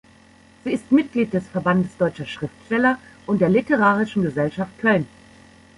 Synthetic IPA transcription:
z̥iːɪstmɪt̚ɡ̥liːt̚d̥ɛsfɛɐbandəsd̥ɔʏt͡ʃɐʃʁ̥ɪftʃtɛlɐʔʊnt̚d̥eːɐlitəʁaːʁɪʃn̩ɡəzɛlʃaft̚kʰœln

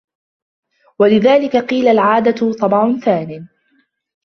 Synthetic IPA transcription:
walɪðaːlɪkaqiːlalʕaːd̪at̪ʊt̪ˤɑbʕʊnθaːnɪ

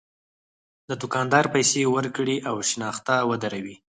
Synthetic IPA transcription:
d̪əd̪ʊkɑnd̪ɑɾpajsewəɾkɽiʔawʃnɑxt̪awəd̪aɾawi

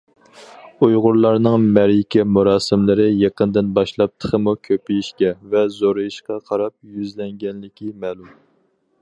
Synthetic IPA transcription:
ujʁʊɾlˠɑɾnɨŋmɛɾjikʲɛmuɾɑːsɨmlɨɾɨjeqənd̪ɨnbɑʃlˠɑp̚t̪ʰə̥χəmukʲʰøpijiʃkʲɛvɛzoɾɨjiʃqɑqʰɑɾɑp̚jyzlɛŋɡʲɛnlɪkʲʰimɛːlum

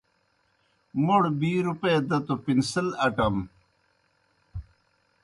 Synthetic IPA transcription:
muɽbiːɾuped̪ɐt̪upinsɐlɐʈɐm

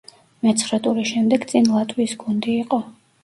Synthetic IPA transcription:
mɛt̪sʰχɾat̪ʼuɾiʃɛmd̪ɛɡt̪sʼinlˠat̪ʼwisɡund̪iːqʼɔ

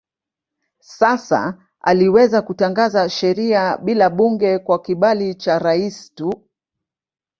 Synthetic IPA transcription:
sasa̰ | a̰liwɛzakutaŋɡazaʃɛɾiaɓilaɓuŋɡɛkwakiɓalit͡ʃaɾaistu

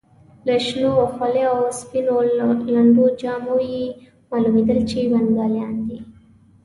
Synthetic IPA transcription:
laʃnowaxwaleawspinolaɳɖud͡ʒɑmoje | mɑlumid̪əlt͡ʃiwanɡaljɑːnd̪i

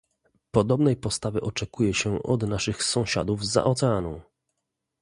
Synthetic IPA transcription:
pɔd̪ɔbnɛjpɔst̪avɛʔɔt͡ʂɛkujɛɕɛʔɔd̪naʂɘxsɔ̃w̃ɕa̰d̪uvza̰ʔɔt̪sɛanɔ̰̃w̃

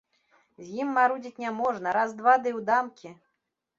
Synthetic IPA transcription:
zʲjimːaɾud͡zʲit͡sʲnʲamɔʐnɐɾazd̪vad̪ɨwd̪amkʲi

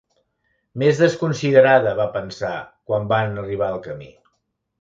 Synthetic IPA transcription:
mezðəskunsiðəɾaðəβapənsakwambanəriβ̞aəlˠkəmḭ

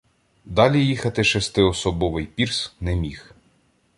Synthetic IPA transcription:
d̪ɑlʲijixɐt̪ɪʃest̪ɪɔsɔbɔʋɪjpʲirsnɛmʲix

